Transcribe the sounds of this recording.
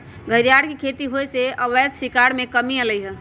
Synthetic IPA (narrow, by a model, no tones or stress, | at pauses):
ɡʱəɾjaɽkekʰet̪iɦojseəbət̪sikaɽmẽkəmiələjɦɛ